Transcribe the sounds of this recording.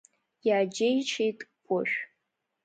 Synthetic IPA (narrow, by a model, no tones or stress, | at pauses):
jaːd͡ʒejt͡ʃʰejtʼkʷʼʊʃᶣ